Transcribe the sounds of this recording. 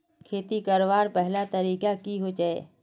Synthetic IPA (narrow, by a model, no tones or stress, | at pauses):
kʰeːt̪ikɐɾʋaːɾpɛɦlat̪ɐɾiːkakiɦoːd͡ʒaḛː